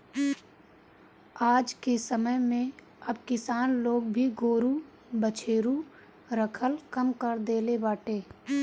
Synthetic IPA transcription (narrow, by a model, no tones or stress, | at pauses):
aːd͡ʒkesəməjmẽ | ɐbkɪsaːnloːɡ̚bʱiɡoːɾu | bət͡ʃʰeːɾu | ɾəkʰəlkəmkəɾd̪eːlebaːʈeː